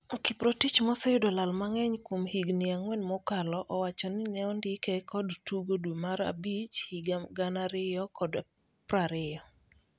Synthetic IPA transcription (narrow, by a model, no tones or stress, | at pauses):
ɔkipɾotit͡ʃmɔsejʊdɔlalmaŋɛɲkwomhiɡnɪaŋwɛnmɔkalɔʔɔwat͡ʃɔnɪnɛɔndɪkɛkɔdtuɡodwumaɾa̰bit͡ʃhiɡaɡanaɾɪjɔkɔd | pɾaɾɪjɔ